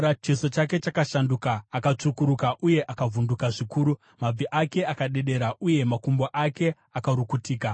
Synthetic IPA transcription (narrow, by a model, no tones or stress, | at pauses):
at͡ʃiso̞t͡ʃake̞t͡ʃakaʃandukaːkat͡ʂukuɾukaʔuje̞ʔakavʱundukaʐikuːɾu | mab͡viʔake̞akaɗe̞ɗe̞ɾaʔuje̞makumboʔake̞ | akaɾukutiːka